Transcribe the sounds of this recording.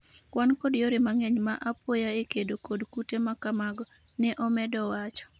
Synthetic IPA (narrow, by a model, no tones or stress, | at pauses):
kwankɔdjoɾɪmaŋɛɲmaʔapojaekedokodkutemakamaɡɔ | nɛʔɔmɛdɔwat͡ʃɔ̥